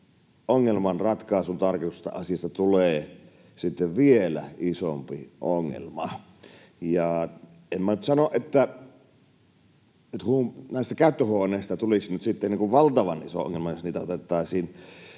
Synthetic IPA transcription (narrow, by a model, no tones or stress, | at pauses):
oŋːelmɑnrɑt̪kɑˑesunt̪ɑrkit̪usst̪ɑ̰ɑsiɑst̪ɑt̪uleː | sit̪ːeʋʋielæisompiʔoŋːḛlmɑ | jɑ | emmænyt̪sɑnoʔet̪ːæ | yt̪hunæˑist̪ækæˑyt̪ːøhoˑːneˑːst̪ɑt̪ulisinyt̪sit̪ːenːiŋkuʋʋɑlt̪ɑʋɑnʔiso̰ʔo̰ŋːelmɑjosniːt̪æo̰t̪et̪ːˑɑˑːsiːn